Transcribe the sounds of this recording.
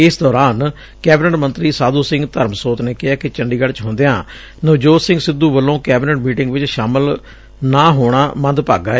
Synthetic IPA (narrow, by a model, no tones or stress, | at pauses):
ɪsd̪ɔːɾaːn | kɛːbɪnɛʈmə̃nt̪ɾiːsaːd̪oːsɪ̃ŋɡt̪əɾmsoːt̪neːkɪaːkɪt͡ʃəɳɖiːɡəlt͡ʃɦõːnd̪eːã̰ː | nəʋd͡ʒoːsɪ̃ŋɡsɪd̪uːʋəlːõːkɛːbɪnəʈmiːʈɪŋɡʋɪt͡ʃʃaːməl | naːɦoːɽ̃aːmə̃nd̪pa̰ːɡaː